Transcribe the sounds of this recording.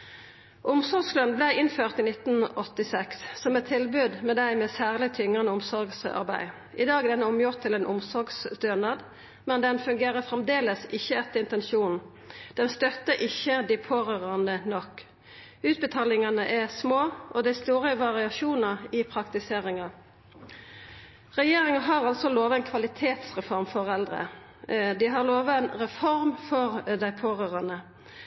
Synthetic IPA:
ʔʊmsɔʁɡslœnblæɪɪnføːʁt̪ɪnɪt̪n̩ʔɔt̪ɪsɛksːɔmɛt̪ʰːɪlbʉd̪mɛːd̪æɪmɛːsæːʁlɪt̪ʰʏŋənəʊmsɔʁɡsɑ̰ʁbæ̰ɪ | ʔɪd̪ɑːɡd̪ɛnəɔmjʊʁt̪ʰːɪlɛːnʔʊmsɔɾɡsd̪øːnɑd̪ | mɛnd̪ɛnfʉŋɡeːʁəfʁɛmd̪eːləsɪçːəɛt̪ːəɪnt̪ɛnʃuːnn̩ | d̪̥ɛnst̪œt̪ːəɾʔɪçəd̪ɪpʰoːʁøʁɑnənɔkː | ʉːt̪̚bət̪ʰɑːlɪŋɑnəʔæʁsmoːʔɔd̪æst̪uːɾəʋɑʁɪɑʃuːnɑʁɪpʰʁɑkt̪ɪseːʁɪŋɑ | ʁɛjeːʁɪŋɑɦɑʁɑlsɔloːʋɑɛnkʰʋɑlɪt̪ʰeːt̪sʁɛfɔɾmfɔʁɛld̪ʁə̰ | d̪ɪɦɑʁloːʋəɛnʁɛfɔʁmfɔʁd̪æɪpʰoːʁøːʁɑnə

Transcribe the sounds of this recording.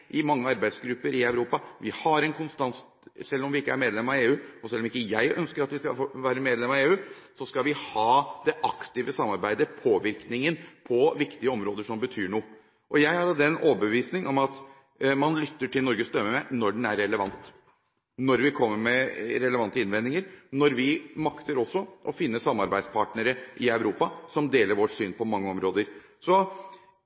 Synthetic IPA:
ʔɪmɑŋːəɑɾbæɪd̪sɡɾʉpːəɾɪæʉɾuːpɑʋɪhɑɾɛnkʰʊnst̪ɑns | sɛlːɔmʋɪɪkːəæɾmeːd̪lɛmːɑeːʉːɔsɛlːɔmɪkːəjæɪʔœ̰nskəɾɑt̪ʋɪskɑ̰fʋæːɾəmeːd̪lɛmɑeːʉːsɔskɑlʋɪhɑːd̪ɛʔɑkt̪ɪʋəsɑmːɑɾbæɪd̪əpʰoːʋɪɾknɪŋənpʰɔʋɪkt̪ɪəɔmɾoːd̪əʂɔmbət̪ʰyːɳuː | ʔɔjæɪhɑɾɑd̪ɛnoːbəʋiːsnɪŋɔmɑt̪ | mɑnlʏt̪ːəʈʰɪlnɔɾɡəst̪œmːəmæɪnɔɖɛnæɾːɛləʋɑnt̪ | nɔɾʋɪkʰɔmːəɾmɛɾɛləʋɑnt̪əɪnʋɛnd̪ɪŋəɾnɔɾʋɪmɑkt̪əɾɔsːɔʔɔfɪnːəsɑmːɑɾbæɪspʰɑʈnəɾəʔɪɑʉɾuːpɑsɔmd̪eːləɾʋɔʈsyːnpʰɔmɑŋːəɔmɾoːd̪əɾ | sɔ

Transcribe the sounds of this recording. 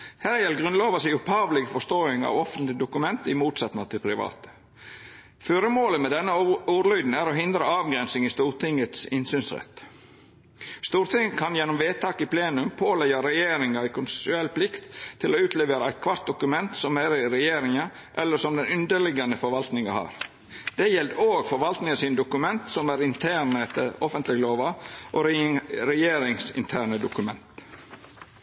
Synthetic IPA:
hæːɾjɛlɡɾʁʉnloːʋɑsiːʊphɑːʋlɪɡəfɔʂt̪oːɪŋɑ̰ʋɔfənt̪lɪd̪ʊkʉmɛnt̪ɪmuːt̪sɑt̪nɑt̪ʰɪlpʰɾɪʋɑ̰ːt̪ə̥ | føːɾəmoːləmɛd̪ɛnːəuːɾlœʏd̪n̩æɾoːɦɪnd̪ɾəɑːʋɡɾɛnsɪŋɪst̪uːɾt̪ʰɪŋət̪sɪnsyːnsɾɛ̰t̪ | st̪uːɾt̪ʰɪŋːəkʰɑnjɛnːɔmʋeːt̪ʰɑːkɪpʰleːnʉmpʰoːlɛɪjɑɾɛjeːɾɪŋɑɪkʰʊnsɛ̥sʉɛlːpʰlɪkt̪ʰːɪloːʉːt̪ʰleːʋeːɾəæɪt̪̚kʰʋɑɾt̪̚d̪ʊkʉmɛnt̪sɔmæɾɪɾɛjeːɾɪŋɑ | ʔɛlːəʂɔmd̪ɛnʉnd̪əɭɪɡɑnəfɔɾʋɑlt̪nɪŋɑhɑ̰ːɾ | d̪̥ɛjɛld̪oːɡfɔɾʋɑlt̪nɪŋəsiːnd̪ʊkʉmɛnt̪sɔmæɾɪnt̪ʰæːɳəɛt̪ːəɾɔfənt̪lɪɡəloːʋɑʔoɾɛjeːɾɪŋsɪ̰nt̪ʰæːɳəd̪ʊkʉmɛ̰nt̪

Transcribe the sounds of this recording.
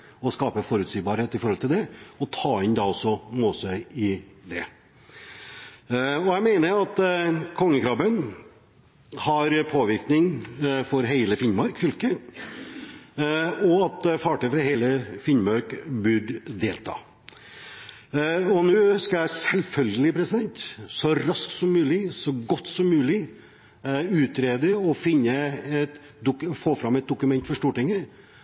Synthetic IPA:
ɔskɑːpəfɔɾʉt̪siːbɑːɾheːt̪ɪfɔɾhɔlt̪ɪld̪ɛɔt̪ʰɑːɪnd̪ɑɔsːɔmoːsœʏɪd̪ɛ | ɔjæɪmeɪnəɑt̪kʰɔŋːəkʰɾɑbən | hɑɾpʰoːʋɪɾknɪŋfɔɾɦeɪləfɪnmɑɾkfʏlkə | ɔɑt̪fɑːʈœfɾɑheːləfɪnmɑɾkbʉɖd̪eːlt̪ʰɑ̰ː | ɔnʉːskɑæsɛlfœlɡəlɪpʰɾɛsɪd̪ɛnt̪sɔɾɑsk̪sɔmːʉːlɪsɔɡɔt̪ːsɔmːʉːlɪ | ʉːt̪ɾeːd̪əɔfɪnːəɛt̪ | d̪ʊkfoːfɾɑmɛt̪̚d̪ʊkʉmɛnt̪fɔʂʈ̪uːʈɪŋːə

